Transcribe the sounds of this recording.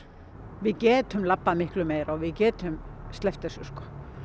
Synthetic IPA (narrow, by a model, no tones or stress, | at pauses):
vɪðcɛːt̪ʏmlapːamɪhklʏmeːjɾɔɣvɪðcɛːt̪ʏmst̪lɛft̪ɛsʏskɔ̥